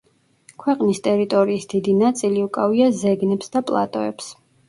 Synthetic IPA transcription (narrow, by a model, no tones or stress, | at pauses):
kʰwɛqʼnist̪ʼɛɾit̪ʼɔɾiːsd̪̥id̪inat̪sʼiliukʼaviazɛɡnɛpsd̪apʼlˠa̰t̪ʼɔ̰ɛps